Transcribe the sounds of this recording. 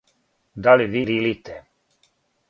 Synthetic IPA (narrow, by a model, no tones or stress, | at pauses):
d̪aliʋililit̪ɛ